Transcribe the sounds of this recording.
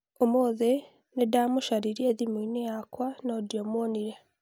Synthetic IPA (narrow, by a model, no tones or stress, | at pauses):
omoðe | nedaːmuʃaɾiɾjeðiminejakwanodiomoniɾe